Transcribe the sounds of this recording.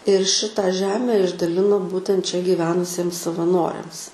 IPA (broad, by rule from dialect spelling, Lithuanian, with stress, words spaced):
ɪr ˈʃʲɪtɐ ˈʒʲæːmʲɛ ɪʒdɐˈlʲɪnoː ˈbuːtʲɛnt t͡ʃʲɛ ɡʲiːˈʋʲæːnʊsʲiɛms sɐʋɐˈnoːrʲɛms